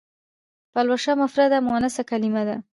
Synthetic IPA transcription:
palwaʃamafɾad̪amɑnasakalimad̪a

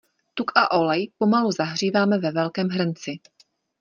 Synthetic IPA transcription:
t̪ukaʔo̞lɛjpo̞maluzaɦr̝iːvaːmɛvɛvɛlkɛːmɦr̩nt͡sɪ

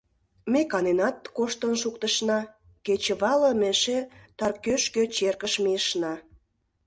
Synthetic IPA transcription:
mekɑnenɑt̪̚koʃt̪ənʃukt̪əʃnɑ | ket͡ɕə̆βɑlə̆meʃet̪ɑrkøʃkøt͡ɕerkəʃmeəʃnɑ

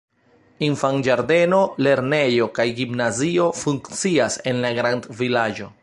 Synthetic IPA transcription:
infand͡ʒaɾde̞no̞le̞ɾne̞jo̞kajɡimnazio̞fuŋkt͡siase̞nlaɡɾandvilad͡ʒo̞

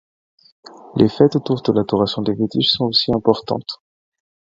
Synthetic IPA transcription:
lʔḛfɛt̪ot̪uʁd̪əlad̪ɔʁasjɔ̃d̪eʁit̪iʃsɔ̃osiɛ̃pɔʁt̪ɑ̰̃t̪

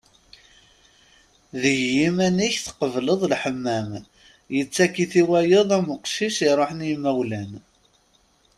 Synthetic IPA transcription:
ðəʝimæniçθqəvləðˤlħəmːæm | jət͡sːækːiθiwæjəðˤæməqʃiʃiɾˤoħənimæwlæn

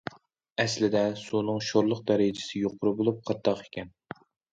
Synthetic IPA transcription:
ɛslɪd̪ɛsunɨŋʃoɾlˠʊq̚d̪ɛɾɪd͡ʒɪ̥sɪjoqʰʊɾɨbolˠup̚qʰɑt̪ʰːɑqe̥kʲɛn

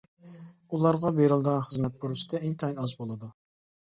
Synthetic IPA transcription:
ulˠɑɾʁɑbeɾɨlˠd̪əʁɑnχəzmɛt̪̚buɾuʃi̥d̪ɛeŋt̪ʰɑinɑzbolˠɨd̪u

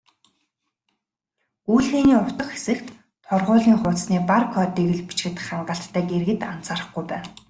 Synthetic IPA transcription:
ujɮxeːniːʊr̥t̪ə̆kxesɘ̆kt̪ːʰ | ʊrʁʊːɮiːŋχʊːsniːparkʰɔːt̪iːɣɘ̆ɮpit͡ɕɡɘ̆t̪ɘ̆χːaɴɢə̆ɬt̪ʰːæːɡerɣɘ̆t̪an̥t͡saːɾə̆χɡujpæː

